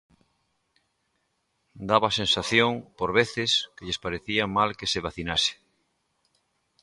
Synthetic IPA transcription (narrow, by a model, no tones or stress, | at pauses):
d̪aβasensaθjoŋpoɾβeθɪskeʎespaɾeθiamalkeseβaθinasɪ̥